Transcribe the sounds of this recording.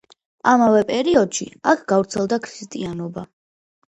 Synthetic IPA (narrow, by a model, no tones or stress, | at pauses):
amavɛpʼɛɾiɔd̪̥ʃḭakʰɡ̥avɾt̪sʰɛlˠd̪akʰɾist̪ʼianɔba